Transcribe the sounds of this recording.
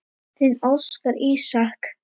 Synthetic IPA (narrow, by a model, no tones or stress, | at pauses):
θɪnɔskaɾiːsahk